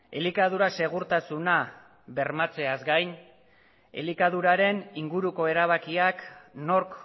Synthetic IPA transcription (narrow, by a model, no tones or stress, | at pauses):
e̞likað̞uɾase̞ɣ̞uɾt̪asuna | βe̞ɾmat͡se̞azɡajn | e̞̰likaðuɾaɾe̞niŋɡuɾuko̞e̞ɾaβ̞akiakno̞ɾk